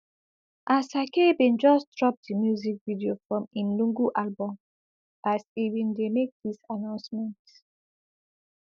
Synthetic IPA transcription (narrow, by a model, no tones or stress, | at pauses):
ʔasakebĩnd͡ʒɔsdɹɔp̚dimjuzik̚vidiofɹɔ̃mĩnlũŋɡuʔalbɔ̃m | asivĩndemek̚disanãʊ̃nsmɛ̃nt